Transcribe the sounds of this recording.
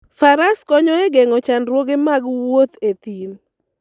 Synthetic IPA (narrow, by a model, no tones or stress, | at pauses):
faɾaskɔɲɔɛɡɛŋɔt͡ʃandɾwoɡemaɡwot̪et̪in